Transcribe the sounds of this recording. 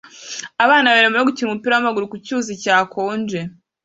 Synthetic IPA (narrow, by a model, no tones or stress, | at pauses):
aβaːnaβaeːɾemuɾeɡuciɾumupiːɾawamaɡuɾukucuːzicaːkʰo̞ːnd͡ʒe